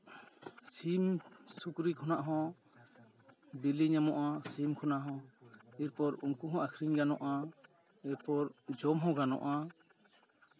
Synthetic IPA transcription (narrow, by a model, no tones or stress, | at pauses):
simsukɾikʰɔnaʔɦɔ̃ | biliɲamɔʔasimkʰɔnaʔɦɔ̃iɾpɔɾuŋkuɦɔ̃ʔakʰɾiɲɡanɔʔa | iɾpɔɾd͡ʒɔmɦɔ̃ɡanɔ̰ʔa